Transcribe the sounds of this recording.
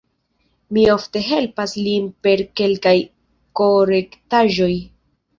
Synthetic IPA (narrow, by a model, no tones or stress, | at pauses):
mio̞fte̞ɦe̞lpaslinpe̞ɾke̞lkaj | ko̞ɾe̞ktaʒo̞j